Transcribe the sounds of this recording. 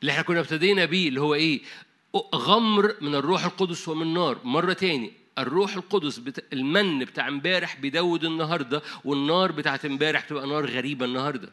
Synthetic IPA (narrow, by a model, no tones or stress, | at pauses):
lːiʔeħnækʊnːæbt̪æd̪eːnæbiːlːihowːæʔeː | ɣæmɾmɪnerːuːħelqod̪oswemɪnnːɑːɾˤmɑrˤːɑt̪æːni | erːuːħelqod̪osbet̪elmænːbet̪aːʕembæːɾeħbejd̪æwːed̪ɪnːɑɦɑɾˤd̪ˤɑwenːɑːɾˤbet̪aʕt̪mbæːɾeħbet̪ebʔænɑːɾˤɣæɾiːbænːɑhɑɾˤd̪ˤɑ